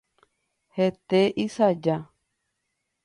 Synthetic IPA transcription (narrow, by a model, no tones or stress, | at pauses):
het̪eʔisad͡ʒa